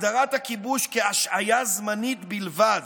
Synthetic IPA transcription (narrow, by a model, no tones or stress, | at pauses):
d̪aʁat̪hakibuʃkeaʃajazmanit̪bilvad